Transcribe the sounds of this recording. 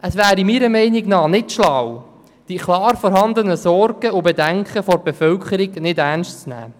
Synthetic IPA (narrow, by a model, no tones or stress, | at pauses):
ʔəsʋæːɾimiɾəmɛɪniɡnɑːnɪtʃlaw | d̥ikʰlɑːɾfɔɾɦɑnd̪ənəsɔɾɡəʊbedæŋkχəfɔrbefœlkχəɾiɡnɪdærnʃtt͡snæ̰ː